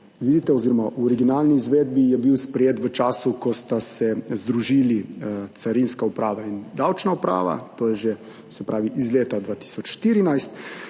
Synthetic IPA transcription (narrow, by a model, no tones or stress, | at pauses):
ʋiːd̪it̪ɛɔziːɾɔmaʔuɔɾiɡinaːlniːzʋeːd̪̚bijɛbiwspɾɛjeːt̪ʋət͡ʃaːsukɔst̪asɛzd̪ɾuʒiːlit̪saɾinskaupɾaːʋaind̪awt͡ʃnaupɾa̰ːʋa̰t̪oːjɛʒe | sɛpɾʔaːʋiʔizleːt̪ad̪ʋaːt̪i̥sɔt͡ʃʃt̪iːɾinajst̪